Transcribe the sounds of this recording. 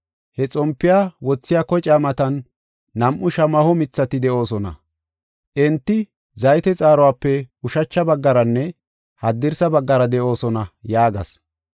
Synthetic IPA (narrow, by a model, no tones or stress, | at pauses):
hɛt͡sʼɔmpːɪjaːwɔt͡sːɪjaːkɔt͡ʃʼaːmɐt̪ɐnː | ɐmʔːʊʃɐmɐhɔmɪt͡sːɐt̪ɪd̪ɛʔo̞ːsɔnɐ̰ | ʔɛnt̪ːɪ | zɐjt̪ɛt͡sʼaːɾɔwaːpːɛʊʃɐt͡ʃːɐbɐɡːɐɾɐnːɛ | hɐd̪ːɪɾsɐbɐɡːɐɾɐd̪ɛʔo̞ːsɔnɐjaːɡɐs